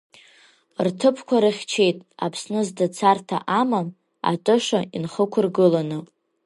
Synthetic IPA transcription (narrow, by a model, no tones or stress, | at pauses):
rtʰɨpʰkʷʰaɾɨχʲt͡ʃʰe̞jtʼapʰsnɨzdat͡sʰartʰa̰ʔamam | a̰tʼɨʂainχəkʷʰʊrɡɨlanɨ